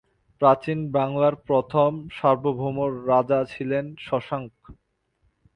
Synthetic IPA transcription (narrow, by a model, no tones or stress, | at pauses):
pɾat͡ɕinbaŋlaɾpɾot̪ʰomʃaɾbʱobʱomoɾːad͡ʑat͡ɕʰilenʃɔʃaŋk